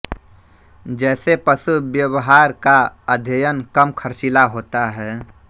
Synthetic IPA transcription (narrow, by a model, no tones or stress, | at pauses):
d͡ʒɛːsepəsubjəwɦaːɾkaəd̪ʱjəjənkəmkʰəɾt͡ʃilaɦoːt̪aɦɛː